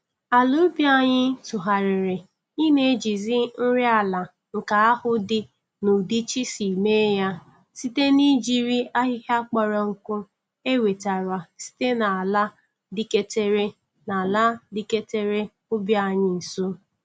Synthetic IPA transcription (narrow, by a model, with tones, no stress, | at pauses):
a˨lu˦bja˨ɲɪ˦tʊ˨ɦa˨ɾɪ˨ɾɪ˨ | i˦ne˦d͡ʒi˨zɪ˦n̩˦ɾɪ˦a˨la˨ | ŋ̩˨ka˨a˦hʊ˦dɪ˦ | nʊ˨di˦t͡ʃi˦si˨me˦ja˦ | si˦te˦ni˦d͡ʒi˦ɾi˦a˦ɦɪ˦ɦa˦k͡pɔ˨ɾɔ˨ŋ̩˨kʊ˦ | e˦we˨ta˨ɾa˨si̥˦te˦na˨la˦ | dɪ˦ke˦te˦ɾe˦ | na˨la˦di˦ke˦te˦ɾe˦ | ʊ˦bja˨ɲɪ˦n̩˨so˦